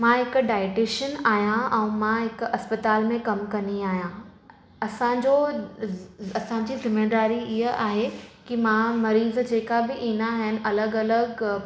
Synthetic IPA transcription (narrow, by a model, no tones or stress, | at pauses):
mãɦɪkʊɖaːɪʈeʃənaːɦijãʔɛ̃ũːmãɦɪkɐspɐt̪aːlmẽkɐmkɐniaːɦijã | ɐsãd͡ʑo | ɐsãɲd͡ʑiːzɪmẽːɖaːɾiɪɦəaːɦekimãmɐɾiːzd͡ʑeːkabɪʔĩːnaɦɪnɪ̆ʔɐləɡɐləɡ